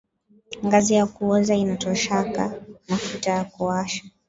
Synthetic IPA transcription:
ŋɡazijakuɔzainatɔʃakamafutajakuaʃḁ

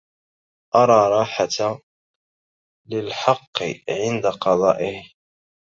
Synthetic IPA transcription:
ʔɑɾˤɑːɾˤɑːħat̪a | lɪlħɑqːɨ̰ʕɪnd̪aqɑðˤɑ̰ːʔɪh

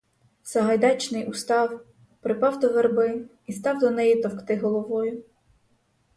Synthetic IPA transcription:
sɐɦɐjd̪ɑt͡ʃnɪjʔʊst̪ɑw | pɾɪpɑwd̪ɔʋerbɪ | ist̪ɑwd̪ɔnɛjit̪ɔwkt̪ɪɦɔlˠɔʋɔjʊ

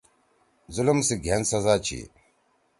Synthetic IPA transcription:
zulumsiɡʱensɐzaːt͡ɕʰḭ

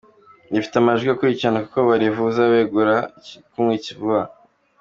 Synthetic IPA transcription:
nifi̥teamaʒɡiokuɾicianaku̥ko̞βaɾivuzaβeɡuɾakumŋiːcivuβa

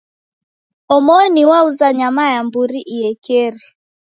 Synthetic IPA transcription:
ɔmɔniwauzaɲamajambuɾiʔijɛkɛɾi

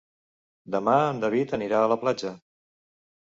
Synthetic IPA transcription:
d̪əmaənd̪əβ̞it̪əniɾaələplad͡ʒə

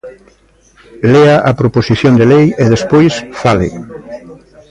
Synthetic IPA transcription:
leaʔapɾoposiθjond̪elejeðespojsfalɪ̰

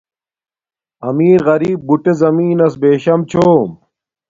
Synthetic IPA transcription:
ɐmiːɾɣɐɾiːb̚ːuʈezɐmiːnɐsbeːɕɐmt͡ɕʰoːm

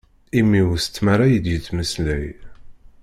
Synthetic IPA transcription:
imːiwst͡s̪ːmaɾajəd̪jət͡sːməslæj

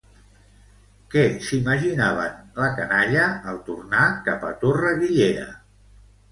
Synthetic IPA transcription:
kɛsiməʒinaβ̞ənləkənaʎəːlˠt̪urnakapə̰t̪orəɣiʎeɾə̰

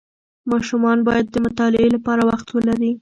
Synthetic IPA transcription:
mɑʃumɑnbɑjad̪ːəmʊt̪ɑlɪelapɑɾawaxt̪wəlaɾi

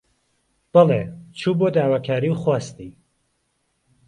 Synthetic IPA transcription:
b̥ɑlet͡ʃʰuːboːd̪aːwaːkʰaːɾiwxwaːst̪i

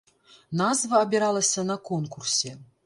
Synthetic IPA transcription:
nazvɐːbʲiɾalˠɐsʲɐnɐkonkursʲe

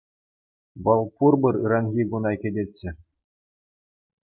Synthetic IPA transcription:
ʋɤ̆lˠpurbɤ̆ɾɯ̰ɾɑnɣʲiɡunɑkʲɘ̆dʲetʲːɘ̆

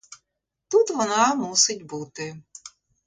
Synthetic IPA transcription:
t̪ut̪ʋɔnɑmusɪtʲbut̪ɪ

